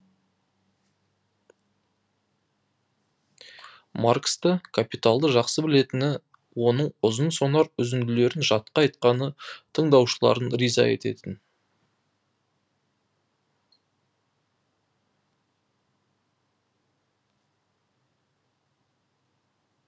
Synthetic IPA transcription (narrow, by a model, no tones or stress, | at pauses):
markst̪əkʰapit̪alˠd̪əʒɑqsəbɪle̞t̪ɪnɪ | wo̞nəɴʊzənso̞nɑɾʏzɪnd̪ɪle̞ɾɪnʒɑt̪̚qɑɑjt̪̚qɑnət̪ʰəɴd̪ɑwʃəlˠɑ̰ɾənɾijzɑ̰e̞̰t̪e̞t̪ɪn